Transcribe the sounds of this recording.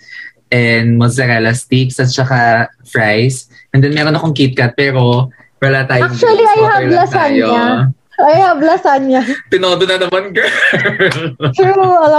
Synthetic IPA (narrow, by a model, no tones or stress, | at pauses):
ʔɛnd̪mɐɡsɐɾɛlɐst̪iksɐt̪t͡ʃɐka | fɹajs | ʔɛnd̪ɛnmɛːɾonɐkoŋkit̪̚kɐt̪̚pɛːɾo̞ | wɐlat̪aːjaokt͡ʃuɐliʔɐjhalasanjoɲa | ɐjhablɐsanɲapɪnoːd̪onɐnɐmɐnkɐloɐlɐ